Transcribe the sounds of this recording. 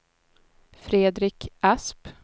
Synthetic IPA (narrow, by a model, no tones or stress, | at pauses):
fɾeːd̪ɾɪkʰʔasp